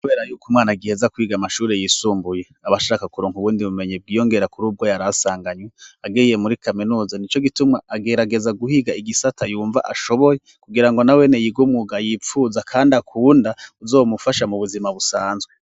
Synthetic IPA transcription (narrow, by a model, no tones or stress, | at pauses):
kuβe̞ːɾajuːkumŋaːnaɡihezakwiːɡamaʃuːɾejisuːmbujeaβaʃaːkakuɾoːŋhuβuːndiβume̞ɲib̚ɡiːjo̞ŋɡe̞ɾakuɾuːb̚ɡo̞jaɾasaːŋɡaɲweaɡeije̞muɾikʰaminuːzanit͡ʃo̞ɡitumŋaʔaɡeɾaɡe̞zaɡuhiɡaiɡisatʰajuːɱva̰ʔaʃo̞βo̞je | kuɡiɾaŋɡonawe̞nejiɡumuɡajiːp͡fuːzakʰaːndiakʰuːndauzoːmufaʃamuβuzimaβusaːnzɡwe